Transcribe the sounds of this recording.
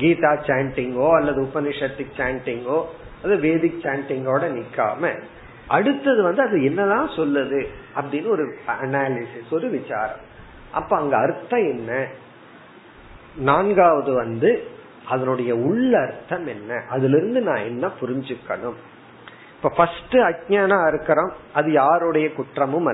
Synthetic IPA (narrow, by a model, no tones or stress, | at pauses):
ɡiːt̪aːt͡ʃaːɳʈɪŋɡoːɐlːɐðɯʊpɐnɪʂɐt̪ːɪkt͡ʃaːɳʈɪŋɡoː | ɐðɯʋeːðɪkt͡ʃaːɳʈɪŋɡoːɽɐnɪkːa̰ːmɐ̰ | ʔɐɽɯt̪ːɐðɯʋɐnd̪ɯɐðɯɛnːɐðãːsɔlːɐðɯɐpːɐɽɪjnːɐɔɾɯɐnaːlɪsɪsɔɾɯʋɪt͡ʃa̰ːɾɐ̰̃m | ʔɐ̰pːoːɐŋɡɐɐɾɯt̪ːɐ̃ɛnːɐ | naːnɡaːʋɐðɯʋɐnd̪ɯ | ʔɐðɐnɯɽɐjɐʊɭːɐɾɯt̪ːɐmɛnːɐʔɐðɪlɪɾɯnd̪ɯnãːɛnːɐpʊɾɪɲd͡ʒɯkːɐ̰ɳɯm | ɪpːoːfɐsʈɯɐk̚ɲaːnaːɪɾɯkːɪɾomɐðɯjaːɾɯɽɐjɐkʊʈrɐmɯmɐ